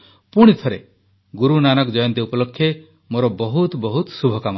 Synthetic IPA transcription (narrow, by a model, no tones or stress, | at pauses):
puɽ̃it̪ʰɔɾe | ɡuɾunanɔkd͡ʒɔjɔnt̪iupɔlɔkʰːje | moɾɔbɔɦut̪bɔɦut̪subʱɔkama